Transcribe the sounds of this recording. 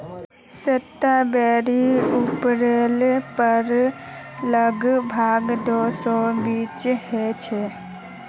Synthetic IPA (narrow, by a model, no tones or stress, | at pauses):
seʈːabɛːɾiʊpɾeːlpəɾ | ləɡbʱaːɡd̪oːsõbiːt͡ʃhɛt͡ʃʰɛ